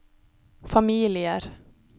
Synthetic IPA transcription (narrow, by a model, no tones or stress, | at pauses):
famiːlɪəɾ